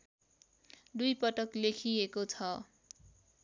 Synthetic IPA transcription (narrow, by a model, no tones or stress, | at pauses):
d̪ujpʌʈʌklekʰiekot͡sʰʌ